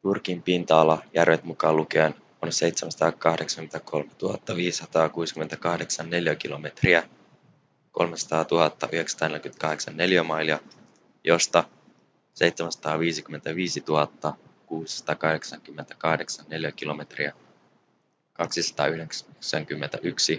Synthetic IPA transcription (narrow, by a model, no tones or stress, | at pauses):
jurk̟impint̪ɑːlːɑjærʋet̪mukɑːlukeːn | onse̞jt̪semæsɑt̪ɑːkɑhdeksɑ̥ŋynt̪æko̞lmet̪uɦɑt̪ːɑʋiːsi̥sɑt̪ɑːkuːsi̥kyment̪ækɑhde̞ksɑnːe̞ljæk̟ilo̞me̞t̪riæ | ko̞lmesɑ̥t̪ɑːt̪uhɑt̪ːɑʔyheksɑt̪ɑːnelʲjky̥t̪kɑɦde̞ksɑnːe̞ljæmɑiliɑ | jo̞st̪ɑ | se̞jt̪semæsɑ̥t̪ɑːʋiːsik̟yment̪æʋiːsit̪uɦɑt̪ːɑ | kuːsi̥sɑ̥t̪ɑːkɑhɾeksɑŋkymːent̪æ̥kɑhde̞ksɑnne̞ljækilo̞me̞t̪riæ | kɑksisɑ̥t̪ɑ̰ːyhekksæŋkymːent̪æʔyksi